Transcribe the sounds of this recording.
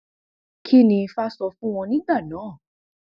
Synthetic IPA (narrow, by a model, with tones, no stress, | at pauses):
kʰi˦nĩ˧fa˦sɔ˧˦fũ˦w̃ɔ̃˧nĩ˦da˦˨nãː˨˦˨